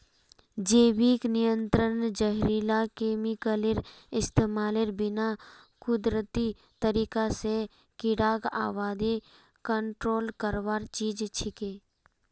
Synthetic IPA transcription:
d͡ʒeːwiːknijə̃nt̪ɾənd͡ʒəɦɾiːlakeːmɪkəlɪɾɪst̪eːmaːlɪɾbɪna | kʊd̪ɾət̪i | t̪əɾiːkase | kɪɽaːɡa̰ːwaːd̪i | kəɳʈɾoːlkəɾʋaːɾt͡ʃiːd͡ʒt͡ʃʰɪkeː

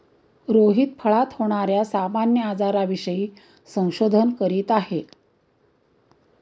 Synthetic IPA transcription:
ɾoɦiːt̪pʰəɭat̪hoɽ̃aɾjasamanjəad͡zaɾaʋiɕəjiː | sə̃w̃ɕod̪ʱənkəɾiːt̪aɦe

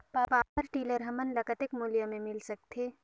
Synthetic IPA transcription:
paːpaːpəɾʈiːləɾɦɐmənlɐkət̪ɪkmuːljamẽmɪlsɐk̚t̪ʰeː

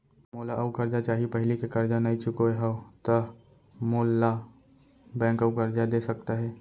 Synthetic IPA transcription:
moːlaʔɐukɐɾd͡ʒat͡ʃaːɦiepɐɦɪlikekɐɾd͡ʒanaːit͡ʃʊkoeɦot̪ɐ | moːlːa | bɛ̃ːŋkəukɐɾd͡ʒad̪eːsɐk̚t̪aɦɛː

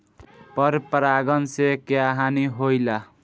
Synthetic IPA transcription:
pʌɾpɾaɡʌnsekjaɦaniɦojla

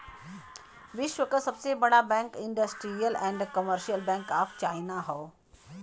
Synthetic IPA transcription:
ʋɪʃwəkəsɐbsebɐɽabɛ̃ːŋkɪ̃ɳɖəsʈɾijəlɛ̃ːɳɖkəməɾʃijəlbɛ̃ːŋkaːpt͡ʃaːinaɦoː

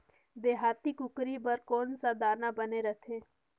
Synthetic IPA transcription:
d̪eːɦaːt̪ikʊkɾibəɾkɔːnsad̪aːnabəneɾət̪ʰẽː

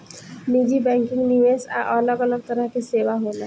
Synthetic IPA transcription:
miːd͡ʒibɛ̃ːŋkɪ̃ŋniʋeːsa̰ʔɔːlɔkɐləb̚t̪ɐɾəɦkeseːʋaɦoːnaɦ

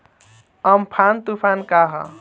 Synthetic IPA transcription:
əmpʰant̪upʰankaɦʌ̰

